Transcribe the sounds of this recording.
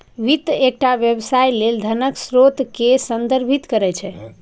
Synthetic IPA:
ʋit̪ek̚ʈaʋjəbsajleld̪ʱənəksɾot̪kesənd̪əɾbʱit̪kəɾɛt͡ʃʰɛ

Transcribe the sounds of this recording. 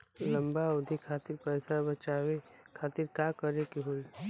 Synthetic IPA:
lɐ̃mbaʊd̪ʱikʰaːt̪ɪɾpɛːɪsabɐt͡ʃaːwekʰaːt̪ɪɾkaːkəɾekiɦoi

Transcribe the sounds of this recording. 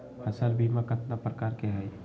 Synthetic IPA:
həsəlbʱimakət̪napɾəkaːɾkeɦɛj

